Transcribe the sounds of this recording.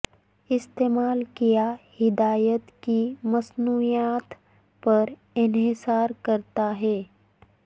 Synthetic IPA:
ɪst̪eːmaːlkijahɪd̪aːjət̪kimɐsnuːijaːt̪ | pɐɾ | ɪnɦɪsaːɾkɐɾt̪aɦɛː

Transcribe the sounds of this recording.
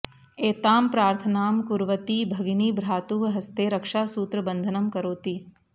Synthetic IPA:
eːt̪aːmpɾaːɾt̪ʰɐnaːmkuɾʋət̪ibʱɐɡniːbʱɾaːt̪uːɦɦɐst̪eːɾɐkʂaːsuːt̪ɾɐbənd̪ʱənɐmkɐɾoːt̪iː

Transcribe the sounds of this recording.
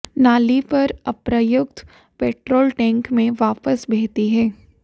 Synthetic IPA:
naːlipɐɾɐpɾəjʊkt̪ʰ | peːʈɾoːlʈɛ̃ːŋkmẽʋaːpəsbʱɛːt̪iɦɛː

